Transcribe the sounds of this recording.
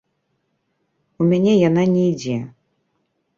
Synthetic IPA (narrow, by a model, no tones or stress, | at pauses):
umʲanʲɛjananʲɛid͡zʲɛ